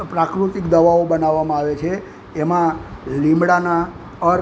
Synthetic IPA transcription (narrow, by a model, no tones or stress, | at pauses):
pɾakɾut̪ikd̪əʋaobənaʋːamãaʋet͡ʃʰeː | mãlimbɽana | əɾ